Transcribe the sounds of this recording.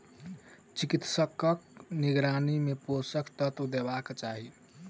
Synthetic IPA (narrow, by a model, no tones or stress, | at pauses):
t͡ʃikit̪səkəkniɡɾanimeposəkʰt̪ət̪d̪ebakt͡ʃaɦi